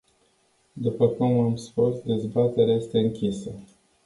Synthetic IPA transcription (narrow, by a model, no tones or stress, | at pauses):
d̪upəkumamspusd̪e̞zbat̪e̞ɾeaje̞st̪e̞ɨŋkʲisə